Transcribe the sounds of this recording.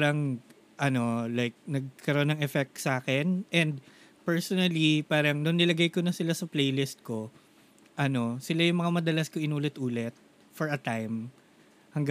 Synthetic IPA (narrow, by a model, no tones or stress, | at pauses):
ɾɐŋ | ʔɐno̞lajk̚nɐɡ̚kɐɾoʔonːɐŋɛfɛk̚t̪saːkɛnʔɛnd̪̚ | pɛɹsonɐlipaːɾɐŋnʊnːɪlɐɡajkonɐsɪlasɐplejlɪst̪̚ko̞ | ʔɐno̞sɪlajʊŋmɐŋamɐd̪ɐlɐskoɪnuːlɪt̪ʔuːlɛt̪̚ | fɔɹɐt̪ajm | hɐŋɡ